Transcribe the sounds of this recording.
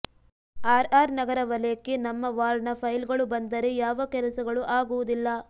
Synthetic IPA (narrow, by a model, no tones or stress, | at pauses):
aːɾaːɾnɐɡɐɾɐʋɐleːkːenɐmːɐʋaːɾɳɐpʰɐjlɡɐɭubɐnd̪ɐɾejaːʋɐkɛlɐsɐɡɐɭuʔaːɡuʋud̪ilːɐ